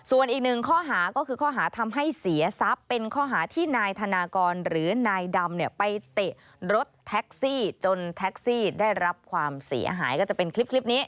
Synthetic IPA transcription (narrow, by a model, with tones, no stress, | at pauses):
su˨˩ənʔiː˨˩k̚nɯ˨˩ŋkʰɔː˥˩ɦaː˩˦kɔː˥˩kʰɯː˧kʰɔː˥˩ɦaː˩˦t̪ʰa˧mɦa˥˩jsi˨˩˦ɐsa˦˥pːe˧nkʰɔː˥˩ɦaː˩˦t̪ʰiː˥˩naː˧jt̪ʰa˧naː˧kɔː˧nɾɯː˩˦naː˧jda˧mni˥˩ɐpa˧jt̪e˨˩ | ɾo˦˥t̪ʰːɛ˦˥k̚siː˥˩t͡ɕo˧nt̪ʰɛ˦˥k̚siː˥˩da˥˩jɾa˦˥p̚kʰwaː˧msḭ˩˦ɐɦaː˩˦jkɔː˥˩t͡ɕa˨˩pe˧nkʰli˦˥p̚ʰli˦˥p̚niː˦˥